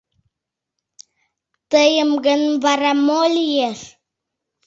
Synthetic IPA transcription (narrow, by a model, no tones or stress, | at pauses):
t̪əjəmɡənvaɾamolijes